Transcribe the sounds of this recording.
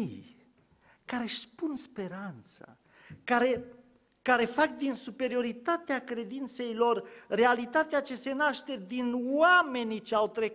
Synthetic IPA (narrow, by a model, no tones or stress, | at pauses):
kaɾe̞ʃpunspe̞ɾant̪sa̰ | kaɾe̞ | kaɾe̞fak̚d̪insupe̞ɾio̞ɾit̪at̪eakɾe̞d̪int̪se̞jlo̞rre̞alit̪at̪eat͡ʃe̞se̞naʃt̪e̞d̪inwame̞nit͡ʃeawt̪ɾe